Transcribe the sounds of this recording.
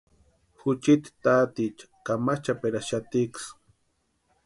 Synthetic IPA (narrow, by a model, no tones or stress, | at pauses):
xʊt͡ʃit̪i̥t̪at̪it͡ʃḁkamat͡ʃapeɾaʃat̪iks